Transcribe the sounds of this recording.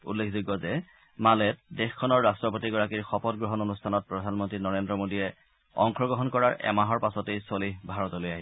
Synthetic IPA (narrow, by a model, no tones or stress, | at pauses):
ṵlːekʰzuɡːɔzɛ | malɛt̚dexkʰːɔnɔɹːastɹɔpotiɡɔɹakiɹxɔpɔtɡɹɔɦɔnonustʰanɔt̚pɹɔdʱanmɔntɹinɔɹendɹɔmodiɛ | ɔ̰ŋkʰɔɡɹɔɦɔnkɔɹaɹɛ̰maɦɔɹpasɔtejsolibʱaɹɔtolojaɦi